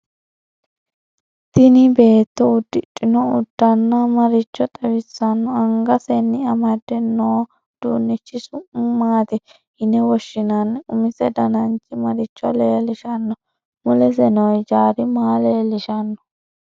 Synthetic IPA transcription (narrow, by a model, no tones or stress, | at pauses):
t̪ɪnɪbe̞ːt̪ːɔʊd̪ːɪtʼːɪnɔʊd̪̥ːɐnːɐmɐɾɪt͡ʃːɔt̪ʼɛbɪsːɐnːɔɐŋɡɐsɛnːɪɐmɐd̪ːɛnːoː | d̪̥uːnːɪt͡ʃːɪsʊʔʊmaːt̪ɪ | hɪnɛwɔʃːɪnɐnʊmɪsɛd̪ɐnɐnt͡ʃːɪmɐɾɪt͡ʃːɔleːlɪʃɐnːɔ | mʊlɛsɛnɔjd͡ʒaːɾɪmaːleːlɪʃɐnːɔ̥